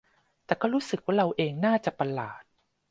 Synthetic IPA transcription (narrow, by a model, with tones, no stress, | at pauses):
t̪ɛː˨˩kɔː˥˩ɾuː˦˥sɯ˨˩k̚waː˥˩ɾa˧wʔeː˧ŋnaː˥˩t͡ɕa˨˩pa˧laː˨˩t̪̚